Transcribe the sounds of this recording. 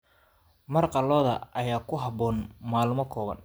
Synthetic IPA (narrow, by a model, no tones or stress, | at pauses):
mɐrqɑlɔːðɐʔɐjaːkʰʊɦɑbɔːnmaːlmɔkʰɔːβɐ̰n